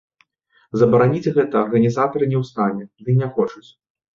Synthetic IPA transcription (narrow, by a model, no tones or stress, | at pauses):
zɐbɐɾanʲid͡zʲɣɛt̪ɐːrɣɐnʲizat̪ɐɾɨnʲɛwst̪anʲɛd̪ɨnʲɛxɔt͡ʂut͡sʲ